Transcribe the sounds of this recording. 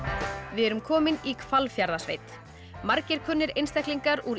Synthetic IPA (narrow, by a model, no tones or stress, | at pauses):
vɪðɛɾʏmkʰɔːmɪnikʰvalfjaɾðasvḛjt̪ | maɾcɪɾ̥kʰʏnːɪɾejnst̪ɛkliŋkaɾuɾ